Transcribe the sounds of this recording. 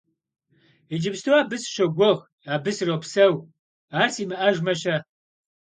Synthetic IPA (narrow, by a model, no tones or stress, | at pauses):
id͡ʒɪbstʰowaːbɨsʃɐɡʷɔʁ | aːbɨsrowpsɐw | aːrsiːmɨʔɐʒmɐɕɐ